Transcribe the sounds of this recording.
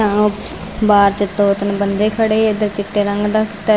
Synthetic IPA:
ãːõː | baːɾt͡ʃɪt̪ːoːt̪ənbənd̪eːkʰəɽeːed̪əɾt͡ʃɪʈːeːɾəŋɡd̪aːkɪ̥t̪aː

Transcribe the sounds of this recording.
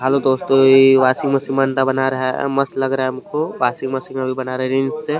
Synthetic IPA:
ɦalod̪oːst̪õiʋaːsɪ̃ŋɡmɐsɪ̃ŋmaːnt̪abɐnaɾɐɦa̰mɐst̪lɐɡɾaɦɛʊmkoʋaːsɪ̃ŋɡmɐsɪ̃ŋɡɐbʱibɐnaːɾɐɦɛɾɪ̃nsse

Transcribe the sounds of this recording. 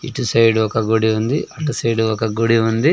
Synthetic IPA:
ḭʈusɐjɖuʋɐkɐɡoɽiʋɐnd̪iʔɐʈusɐjɖuʋɐkɐɡoɽiʋɐnd̪i

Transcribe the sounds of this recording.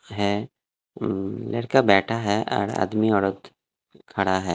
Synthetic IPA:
ɦɛː | lḛɽkabɛːʈʰaɦɛʔɔ̰ːɾa̰ːd̪miɔɽət̪ | kʰɐɽaɦɛː

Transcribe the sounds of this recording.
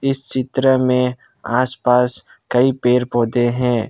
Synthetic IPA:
ɪst͡ʃɪt̪ɾəmẽ | aːspaːs | kɐipeːɾpoːd̪eɦɛ̃ː

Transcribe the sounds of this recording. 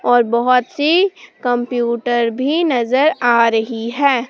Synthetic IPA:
ɔːɾbɔɦʊt̪sikɐ̃mpjuːʈəɾbʱinɐzəɾaːɾɐɦiɦɛː

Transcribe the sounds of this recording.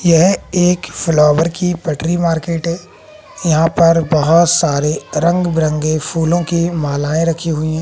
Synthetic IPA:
jɛɦeːkflɔːʋəɾkipɐʈɾimaːɾkeːʈɦɛː | jɐɦãpɐɾbɐɦʊt̪saːɾeɾɐ̃ŋɡbɾə̃ŋɡepʰuːlõkimaːlaːẽɾɐkʰiɦʊiɦɛ̃ː

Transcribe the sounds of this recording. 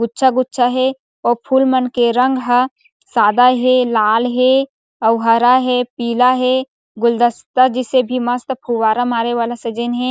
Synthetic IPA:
ɡʊtːʃʰaɡʊtːʃʰaɦɛ | ɔːɾpʰuːlmənkeɾə̃ŋɡɦa | saːd̪aɦɛlaːlɦɛ | əwɦaːɾaɦɛpiːlaɦɛ | ɡʊld̪əst̪ad͡ʒɪsebʱiməst̪pʰuwaːɾamaːɾeʋaːlased͡ʒɪnɦɛ̃

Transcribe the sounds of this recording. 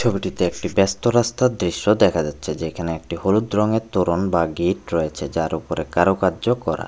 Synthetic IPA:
t͡ɕʰobiʈit̪eek̚ʈibɛst̪oɾast̪ad̪ɾiʃːod̪ɛkʰad͡ʑatːɕʰed͡ʑekʰaneek̚ʈihoɾud̪ɾɔŋeɾt̪oɾonbaɡiʈɾɔjet͡ɕʰed͡ʑaɾupoɾekaɾokaɾd͡ʑokɔɾa̰

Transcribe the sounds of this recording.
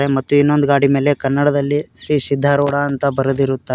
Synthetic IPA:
ɾemɐt̪ːuinːo̞nd̪uɡaːɽime̞ːle̞kɐnːɐɽɐd̪ɐlːiʃɾiːsid̪ʱːaɾɔːɽaɐnt̪ɐbɐɾɐd̪iɾut̪ːa

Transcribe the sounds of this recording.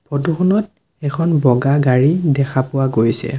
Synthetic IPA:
pʰɔtuxɔnɔt | ɛkʰɔnbɔɡaɡaɹidɛkʰapʊwaɡojsɛ̰

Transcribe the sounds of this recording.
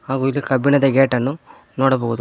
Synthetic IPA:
haːɡuilːikɐbinɐd̪ɐɡeːʈɐnːu | noːɽɐboːɣud̪u

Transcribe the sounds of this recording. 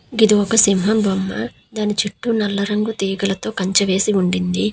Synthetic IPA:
ɡid̪iɔkɐsimɦɐmbɐmːɐ | d̪aːnit͡ʃiʈːunɐlːɐɾɐŋɡut̪iːɡɐlɐt̪o̞ːkɐɲt͡ʃɐʋe̞ːsiuɳɖind̪i

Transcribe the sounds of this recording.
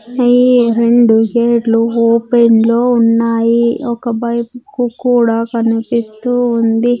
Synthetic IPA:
ɐjiɾe̞ɳɖuɡeːʈluoːpenlo̞ːunːaːjiɔkɐbɐjpukukuːɽaːkɐnipist̪uːnd̪i

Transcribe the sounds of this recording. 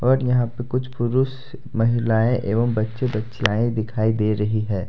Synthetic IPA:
ɔːɾjɐɦãpəkʊt͡ʃʰpʊɾʊʃ | mɐɦɪlaːẽʔeːʋəmbɐtːʃebɐtːʃijaːẽd̪ɪkʰaːid̪eːɾɐɦiɦɛ̃ː

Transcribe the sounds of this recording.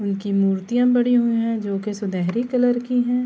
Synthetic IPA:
ʊnkimuːɾt̪ijãbɐɽiɦʊĩɦɛ̃d͡ʒoːkesʊd̪ɛɦɾikɐləɾkiɦɛ̃ː

